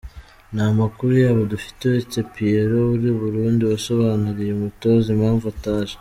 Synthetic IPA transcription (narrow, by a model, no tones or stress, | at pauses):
namakuɾujaːβodufi̥tewet͡se̞pieɾo̞βuɾiβuɾuːndiwaso̞βaːnuɾijemuto̞zimhaːɱvuataːʒe